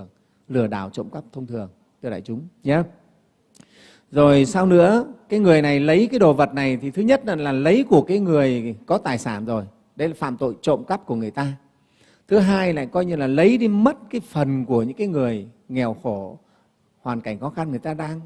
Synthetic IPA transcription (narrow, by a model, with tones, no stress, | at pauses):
əŋ | lɨ˧˩əɗa̰ː˧˩wt͡ɕo̰˧˨ŋ͡mkə˦˥p̚t̪ʰə˧wŋ͡mt̪ʰɨ˨˩əŋ | t̪ɨ˧la̰ː˧˨jt͡ɕʊ˨˦ŋ͡mɲə˨˦ | zo˨˩jsa˧wnɨ̰˧˥əkaː˨˦jŋɨ˨˩əjna˨˩jlə˨˦jkaː˨˦jɗo˨˩və˨˩t̚na˨˩jt̪ʰi˨˩t̪ʰɨ˨˦ɲə˦˥t̚a˨˩laː˨˩lə˨˦jku˧˩əkaː˨˦jŋɨ˨˩əjkɔ˨˦t̪aː˨˩jsaː˧˩nzo˨˩j | ɗə˨˧˦jlaː˨˩fa̰ː˧˨mt̪o̰˧˨jt͡ɕo̰˧˨ŋ͡mkə˦˥p̚ku˧˩əŋɨ˨˩əjt̪aː˧ | t̪ʰɨ˨˦ɦaː˧jla̰ː˧˨jkɔ˧jɲɨ˧laː˨˩lə˨˦jɗi˧mə˦˥t̚kaː˨˦jfə˨˩nku˧˩əɲɨ̰˧˥ŋkaː˨˦jŋɨ˨˩əj | ŋɛ˨˩wxo˧˩ | hwaː˨˩nka˧˩jŋ̟xɔ˨˦xa˧nŋɨ˨˩əjt̪aː˧ɗaː˧ŋ